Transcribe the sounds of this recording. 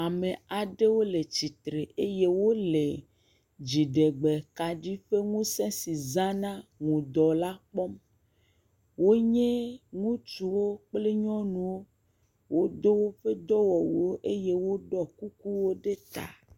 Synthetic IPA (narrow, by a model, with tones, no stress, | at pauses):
a˨me˨a˨ɖe˦wo˦le˨t͡ɕi˨t̪ɾe˨e˦je˦wo˦le˨ | d͡ʑi˨ɖe˨ɡ͡bɛ˨ka˨ɖi˦ɸe˦ŋũ˦sɛ̃˦si˨za˦nã˦ŋũ˨d̪ɔ˨la˦k͡pɔ˦m | wo˦ɲẽ˦ŋũ˦t͡ʃu˨wo˦k͡ple˦ɲɔ̃˦nũ˨wo˦ | wo˦d̪o˦wo˦ɸe˦d̪ɔ˦wɔ˨wu˨wo˦ʔe˦je˦wo˦ɖɔ˦ku˦ku˦wo˦ɖe˦t̪a̰˨